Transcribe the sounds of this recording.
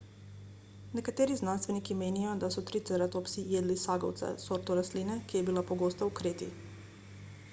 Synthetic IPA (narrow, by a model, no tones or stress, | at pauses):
nekat̪eɾiznanst̪ʋenikimenijod̪asut̪ɾit̪sɛɾat̪opsijed̪lisaɡowt̪sa̰soɾt̪oɾaslinekʲejebilˠapoɡost̪aukɾet̪ḭ